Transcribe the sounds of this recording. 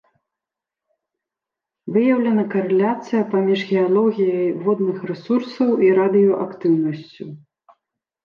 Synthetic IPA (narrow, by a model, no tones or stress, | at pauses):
vɨjɐwlʲɐnɐkɐɾɛlʲat̪sɨjɐpamʲiʐɣʲɛalˠɔɣʲijɐjvɔd̪nɨxrɛsursɐwʔiɾad̪ɨjɔʔakt̪ɨwnɐsʲt͡sʲu